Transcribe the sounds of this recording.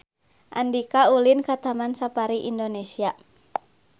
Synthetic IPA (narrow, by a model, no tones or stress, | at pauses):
ʔa̰ndikaulinkat̪amansapaɾiʔindonesia